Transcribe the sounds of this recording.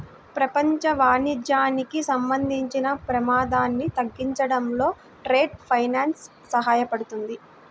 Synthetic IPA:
pɾɐpɐɲt͡ʃɐʋaːnid͡ʒaːnikisɐmbɐnd̪ʱiɲt͡ʃinɐpɾɐmaːd̪aːnːit̪ɐɡːiɲt͡ʃɐɽɐmlo̞ː | ʈɾe̞ːɖpʰɐjnaːnsː | ɐɦaːjɐpɐɽut̪und̪i

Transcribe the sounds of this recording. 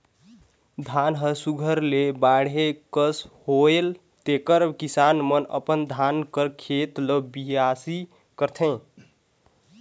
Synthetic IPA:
d̪ʱanɦəsuɡʱəɾlebaɽɦekəshoel | t̪ekəɾkisanmənə̰pənd̪ʱankəɾkʰet̪ləbiɦasi | kəɾt̪ʰẽ

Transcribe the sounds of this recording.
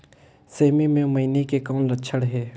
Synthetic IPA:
seːmimẽmɐɪnekekɔːnlətːt͡ʃʰəɽɦɛː

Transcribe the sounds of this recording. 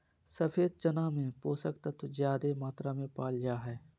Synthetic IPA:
səpʰeːd̪̚t͡ʃənãːmẽpoːsəkt̪ət̪zjaːd̪emaːt̪ɾamẽpaːld͡ʒaːɦɛː

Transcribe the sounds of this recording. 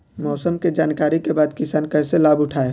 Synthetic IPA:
mɔːsəmked͡ʒaːnkaːɾikebaːd̪kɪsaːnkɐɦselaːbʊʈʰaːe

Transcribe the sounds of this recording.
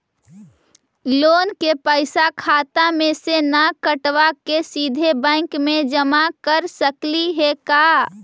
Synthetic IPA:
loːnkepəɪsakʰaːt̪amẽsenakəʈʋakesid̪ʱebɛ̃ɪŋkmẽd͡ʒəmakəɾsəkliɦekaː

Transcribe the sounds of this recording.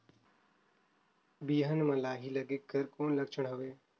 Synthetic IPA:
biːɦənmɐ̃laːɦilɐɡekəɾkoːnləkʃəɽɦoʋeː

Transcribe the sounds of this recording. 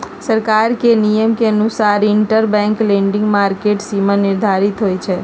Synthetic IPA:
səɾkaɾkenijəmkeənusaɾiɳʈəɾbɛ̃ŋklẽɳɖĩŋɡmaɾkeʈsimãnɪɾd̪ʱaɾit̪ɦojt͡ʃʰe

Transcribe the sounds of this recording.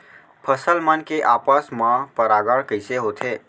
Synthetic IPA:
pʰəsəlmənkeʔapəsmãpəɾaɡəɽkəɪseɦot̪ʰe

